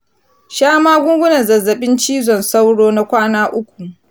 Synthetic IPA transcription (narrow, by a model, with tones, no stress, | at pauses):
ʃaː˦maː˦ɡʷʊ˦ŋɡʷʊ˦nɐ˨nzɐ˨zːɐ˨ɓɪ˦nt͡ʃiː˦zɔ˨nsa˦wɽoː˦na˦kʷaː˦naː˦ʔʊ˦kʷu˨